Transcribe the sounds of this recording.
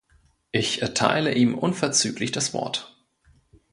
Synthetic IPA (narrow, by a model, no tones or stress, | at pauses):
ʔɪçʔɛɐtʰa̰ɪləʔiːmʔʊnfɛɐt͡syːklɪçd̥asv̥ɔ̰ɐt